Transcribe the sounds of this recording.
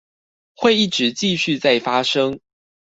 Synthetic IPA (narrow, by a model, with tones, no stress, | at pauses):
xwe˥˨ɪi˥˩ʈ͡ʂɻ̩˨˦t͡ɕi˥˧ɕy˥˧t͡sa˥˩ɪfa˥ʂɤ˦ŋ